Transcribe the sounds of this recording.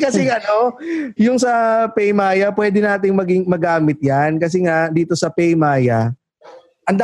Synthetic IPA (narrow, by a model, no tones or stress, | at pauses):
kɐsɛŋɐno̞jʊŋsɐpɛjmaːjɐpwɛːd̪ɛnaːt̪̬ɪŋmɐɡɪŋmɐɡaːmɪt̪̚jankɐs̬ɛŋaʔd̪iːt̪o̞sɐpɛjmaːjɐ | ʔɐŋd̪a